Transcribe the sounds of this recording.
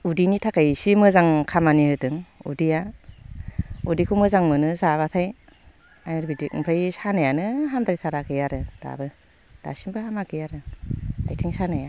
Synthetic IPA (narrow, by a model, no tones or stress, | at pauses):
udinitʰakajsimɯzaŋkʰamanihɯtɯŋṵdija | udikʰumɯzaŋmɯnɯzaβatʰaj | ajɯɾbidikimpʰajsanajanɯɦamdaɾijtʰaɾakʰɯjaɾɯd̥a̰bɯ | d̥a̰simbɯɦamakʰɯjaɾɯa̰jtʰiŋsanaja